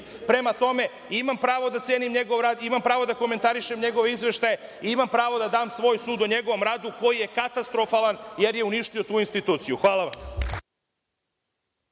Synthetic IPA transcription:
pɾe̞mat̪o̞me̞ | imampɾaːʋo̞d̪at̪sje̞ːnimɲe̞ɡo̞ʋɾaːd̪imampɾaːʋo̞d̪ako̞me̞nt̪aɾiʃemɲe̞ɡo̞ʋeizʋe̞ʃt̪ajeiimampɾaːʋo̞d̪ad̪aːmsʋo̞ːjsuːd̪oɲe̞ɡo̞ʋo̞mɾaːd̪uko̞jije̞kat̪ast̪ɾo̞faːlanje̞ɾje̞uniʃt̪io̞t̪uːinst̪it̪uːt̪sijuxʋaːlˠaʋam

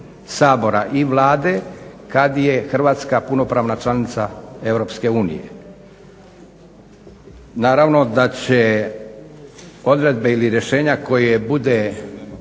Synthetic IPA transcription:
saːbo̞ɾaʔiʋlaːd̪e̞kad̪jexr̩ʋaːt̪skapuno̞pɾaːʋnat͡ʃlˠanit̪sae̞ʋɾo̞pske̞uːnḭjḛ | naːɾaʋno̞d̪at͡ɕe̞ | o̞d̪ɾe̞d̪̚be̞iliɾje̞ʃe̞ːɲako̞jebud̪e

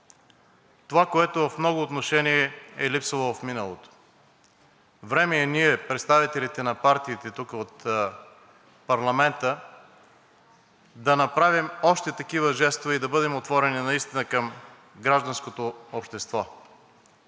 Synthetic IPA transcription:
t̪ovakoɛt̪ovɐfmnɔɡʊːt̪noʃɛniɛɛlipsəlˠovɐfminəlˠo̰t̪o̥ | vɾɛmɛːniɛpɾɛt̪st̪avit̪ɛlit̪ɛnɐpaɾt̪iːt̪ɛt̪ukəot̪ | pɐɾlˠɐmɛnt̪ə | d̪ɐnɐpɾavimɔʃt̪ɛt̪ɐkivəʒɛst̪vɐid̪ɐbɤd̪ɛmot̪vɔɾɛninɐist̪inəkəm | ɡɾaʒd̪ɐnskot̪oopʃt̪ɛst̪vɔ

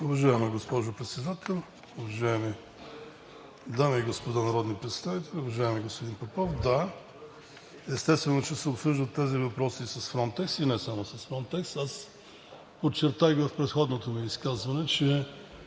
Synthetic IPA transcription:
ʊvɐʒaɛmɛɡospɔʒʊpɾɛt̪sɛd̪at̪ɛlˠ | ʊvɐʒaɛmi | d̪amiːɡospod̪anɐɾɔd̪nipɾɛt̪st̪avit̪ɛlʲʊvɐʒaɛmɛɡospod̪inpɐpɔfd̪a | ɛst̪ɛst̪vɛnot͡ʃɛsɛopsɤʒd̪ət̪ːɛzivɐpɾɔsisɐsfɾɔnt̪ɛksinɛsamosɐsfɾɔnt̪ɛksas | pott͡ʃːɛɾt̪ajvəfpɾɛt̪xɔd̪not̪omiːskazvɐnɛt͡ʃɛ

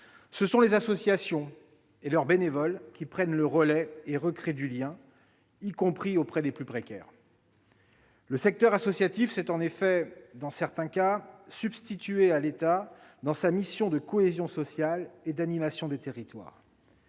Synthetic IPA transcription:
səsɔ̃lezasɔsjasjɔ̃ | elœʁbenevɔlkʲipχɛnləʁəlɛeʁəkχed̪yljɛ̃ | ikɔ̃pχiopχɛd̪eplypχekʲɛ̰ːʁ | ləsɛk̚t̪œʁasɔsjat̪ifsɛt̪ɑ̃nefɛd̪ɑ̃sɛʁt̪ɛ̃kasybst̪it̪yealet̪ad̪ɑ̃samisjɔ̃d̪əkɔezjɔ̃sɔsjaled̪animasjɔ̃d̪et̪eʁit̪wa̰ːʁ

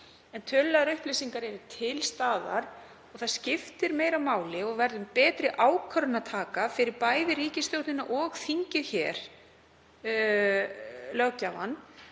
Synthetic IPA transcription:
ɛnt̪ʰœlːaðaɾʏhplejsiŋkaɾɛɾʏt̪ʰɪlst̪aːða̰ɾ̥ | ɔɣθaðscɪft̪ɪɾmeːjɾawmaːwlɪɔɣvɛɾðʏmpɛːt̪ɾɪʔaːwkʰœɾʏnat̪ʰaːkafɪɾɪɾpaːjðɪriːcɪst̪jowt̪nɪnːaʔɔɣθiɲcɪðçɛːɾ̥ | lœwcava̰nː

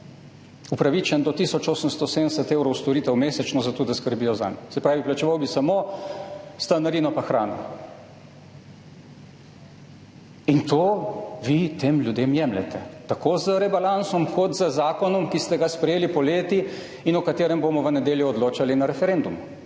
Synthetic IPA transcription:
upɾaʋit͡ʃɛnd̪ɔt̪iːsɔt͡ʃoːsəmst̪ɔsed̪nɛsɛt̪eːwɾɔwst̪ɔɾiːt̪ɛwmeːsɛt͡ʃnɔzat̪oːd̪askəɾbiːjɔza̰nsɛpɾaːʋiplat͡ʃɛʋawbisamo | st̪anaɾiːnɔpaxɾaːnɔ̰ | int̪oːʋit̪emlʲjud̪emjɛmlɛ̰t̪ɛt̪akoːzəɾɛbalansɔmkʰɔt̪zəzaːkɔnɔmkist̪ɛɡaspɾɛjeːlipɔleːt̪i | inɔkat̪eːɾɛmbomɔʋənɛd̪eːljuɔd̪loːt͡ʃalinaɾɛfɛɾend̪umu

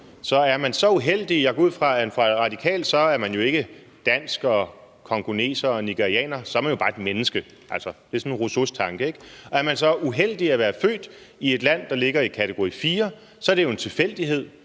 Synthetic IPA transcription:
sɒ̽æɐmænsɒ̽uɦel̰d̥ijɑ̈ɡ̥ɒ̽uð̞̰ˠfʁɑ̈ænfʁɑ̈dʁɑ̈d̥ikʰɛ̰ːld̥sɒ̽æɐmænjo̝e̝ɡ̥ə | d̥æn̰sɡ̥ɒ | kʰɒ̽ŋɡ̥one̝̰ːsɐːniɡ̥eʁiɛ̰ːnɐsɒɐmæɐjo̝b̥ɑ̈ːe̝d̥menəsɡ̥ə | ʔælsɒd̥e̝sɔ̽nʁosost͡sʰɑ̈ŋɡ̥əe̝ɡ̥ɒ̽æɐmænsɒ̽uɦel̰d̥iæʋæːɐfø̰ːd̥ie̝d̥læn̰d̥ɑ̈le̝ɡ̥ɐikʰæt͡sʰeɡ̥o̝ʁifiːɐ | sɒ̽ɐɾ̥e̝jo̝e̝nt͡sʰe̝fel̰d̥iɦe̝ð̞̰ˠ

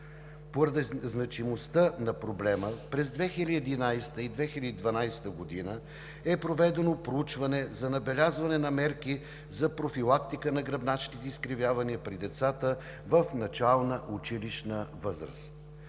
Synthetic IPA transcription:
poɾɐd̪iznɐt͡ʃimost̪ənɐpɾoblɛməpɾɛzd̪vɛxilʲɛd̪inajst̪əid̪vɛxilʲəd̪id̪vɐnajst̪əɡod̪inə | ɛpɾovɛd̪ɛnopɾout͡ʃvɐnɛzɐnɐbɛlʲazvɐnɛnɐmɛɾki | zɐpɾofilˠak̚t̪ikənɐɡɾɐbnat͡ʃk̪it̪ɛiskɾivʲjavɐniəpɾid̪ɛt̪sat̪ə | vəfnɐt͡ʃalˠnəʔut͡ʃiliʃnəvɤzɾə̰st̪

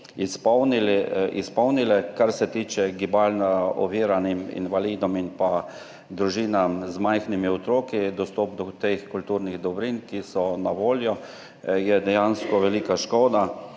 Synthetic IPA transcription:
ispɔwnilɛʔispɔwnilɛkaɾsɛt̪iːt͡ʃɛɡibalnaɔ̰ʋiːɾanimḭnʋaliːd̪ɔminpa | d̪ɾuʒiːnamzmajxnimiɔt̪ɾoːkid̪ɔst̪ɔːp̚d̪ɔt̪exkult̪uːɾniɣd̪ɔbɾinkisɔnaʋoːljɔ | jɛd̪ɛjanskɔʋɛliːkaʃkoːd̪a

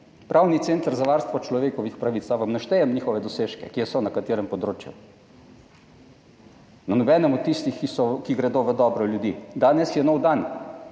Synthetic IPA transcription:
pɾʔawnit̪sent̪əɾzaʋaːɾst̪ʋɔt͡ʃlɔʋeːkɔʋixpɾaʋit̪saʋamnɐʃt̪ɛjɛmɲiːxɔʋɛd̪ɔseːʃkɛ̰kiɛsɔnakat̪eːɾɛmpɔd̪ɾoːt͡ʃjṵ | nanɔbɛnɛmɔt̪ːist̪ixkisɔkiɡɾɛd̪oːʋəd̪ɔːbɾɔljud̪iːd̪aːnɛsjɛnɔwd̪an

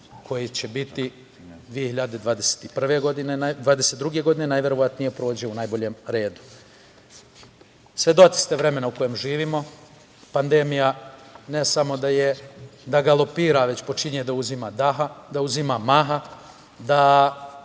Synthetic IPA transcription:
kʰo̞jit͡ɕe̞bit̪i | d̪ʋije̞hiʎad̪e̞d̪ʋaːd̪e̞se̥t̪ipr̩ʋe̞ɡod̪ine̞nad̪ʋaːd̪eset̪ɾuɡe̞ɡo̞d̪ine̞najʋʲje̞ɾo̞ʋat̪nijepɾo̞ːd͡ʑeounajbo̞ʎe̞ːmɾe̞ːd̪u̥ | sʋed̪ot̪i̥st̪eʋɾe̞me̞nauko̞jeːmʒiːʋimo̞ | pand̪e̞mijane̞samo̞d̪ajed̪aɡalˠo̞piːɾaʋe̞t͡ɕpo̞t͡ʃiɲed̪auzimad̪aɦad̪auzimamaɦa | d̪a

